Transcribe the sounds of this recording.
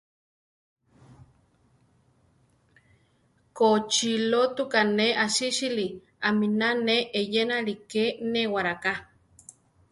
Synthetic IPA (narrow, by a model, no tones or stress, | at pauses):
kot͡ʃilot̪ukaneʔaʃiʃili | aminaneʔejenalikenewaɾaka